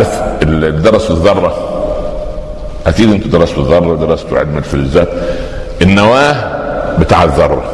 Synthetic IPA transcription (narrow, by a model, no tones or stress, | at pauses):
ɾefeld̪ɑɾˤɑsbeðˤːɑrˤːɑ | ʔæk̪iːd̪ʔɪnt̪ud̪ɑɾˤɑsfeðˤɑrˤːɑd̪ɑɾˤɑst̪ṵʕḛd̪mælfilzæːt̪ | ʔenːæwæːhbɪt̪aːʕeðˤːɑrˤːɑ̰